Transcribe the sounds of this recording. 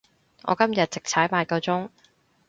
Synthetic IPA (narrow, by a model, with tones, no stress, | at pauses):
ŋʔɔ̰ː˨˧kɐ˥mjɐ˨t̚t͡sɪ˨k̚t͡sʰaː˨˥jmaː˨˧˩kɐ˧wt͡sʊ˥ŋ